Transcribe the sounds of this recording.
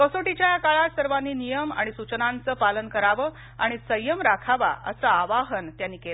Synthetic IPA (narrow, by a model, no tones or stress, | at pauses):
kəsoʈit͡ɕjajakaɭasəɾʋanːiːnijəma̰ɽ̃isut͡ɕnant͡səːpalənkəɾaʋə | a̰ɽ̃isəjəmɾakʰaʋa̰ʔə̰səaʋaɦənt̪janːiːkela